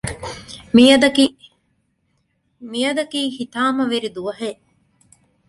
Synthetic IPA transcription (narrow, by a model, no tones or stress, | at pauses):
miɐd̪ɐki | mijɐd̪ɐkiːhit̪aːmɐʋeɾid̪uʋɐɦeːʔ